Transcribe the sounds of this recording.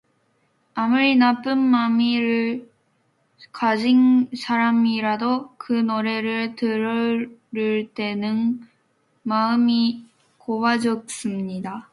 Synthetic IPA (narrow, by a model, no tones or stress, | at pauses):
amuɾinap͈ɯnmamiɾɯɭ | kad͡ʑinsʰaɾamiɾadokɯnoɾe̞ɾɯɭtɯɾʌɾiɭt͈e̞nɯn | maɯmi | kowad͡ʑʌk̚s͈ɯmɲida